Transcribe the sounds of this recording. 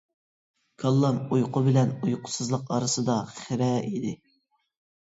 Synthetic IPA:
kʰɑlˠːɑmujqʰʊbɪlɛnujqʰʊ̥sɨzlˠəqɑɾɨsɨd̪ɑχɪɾɛid̪ɪ

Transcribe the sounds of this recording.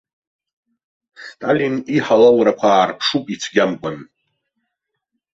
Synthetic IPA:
stʼaliniħalawɾakʷʰaːrpʰʂupʼit͡sʷʰɡʲamkʷʼan

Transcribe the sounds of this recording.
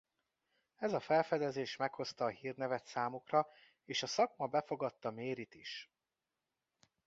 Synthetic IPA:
ɛzɒfɛlfɛd̪ɛzeːʃmɛkho̞st̪ɒːɦiːrnɛvɛt̪saːmukrɒ | eːʃɒsɒkmɒbɛfo̞ɡɒt̪ːɒmeːɾit̪iʃ

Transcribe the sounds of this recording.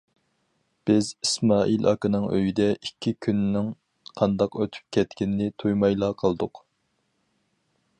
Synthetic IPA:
b̥ɪzismɑːʔilʔɑ̰kɨnɨŋøjid̪ɛikʲʰːikʲʰynːɪŋ | qʰɑnd̪ɑqøt̪ʰy̥p̚kʲʰɛt̪kʲinnɪt̪ʰujmɑjlˠɑːqʰəlˠd̪ʊq

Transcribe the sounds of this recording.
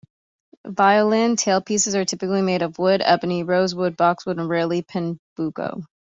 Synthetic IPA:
vaɪəlɪ̃ntʰeɪlˠpʰisɨzə˞tʰɪpɨklimeɪɾʌvwʊɾɛ̰bɨniɹoʊzwʊd̚bɑkswʊɾə̃n̩ɹɛlˠipʰɨ̃nb̥uɡo̰ʊ

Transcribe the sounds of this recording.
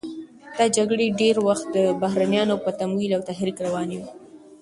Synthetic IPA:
d̪̥ɑd͡ʒaɡɽeɖeɾwaxt̪̚d̪əbaɦɾanjɑnopət̪amwilawt̪aɦɾikɾawɑniwi

